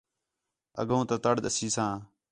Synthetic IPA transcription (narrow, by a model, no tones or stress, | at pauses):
ə̰ɡõːt̪ət̪əɽɗ̪əsiːsãː